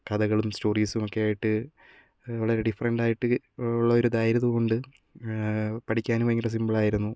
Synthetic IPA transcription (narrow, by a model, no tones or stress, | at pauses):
kɐðɐɣɐɭumsto̞ːriːsumokːe̞jaːjiʈːɨ | ʋɐɭɐɾeɖifɐrɐnɖaːjiʈːɨ | uɭːɐoɾud̪ɐːjɾɐðuɣoɳɖɨ | pɐʈʰikʲːaːnumɐŋilɐs̬imbɐɭaːjiɾunːu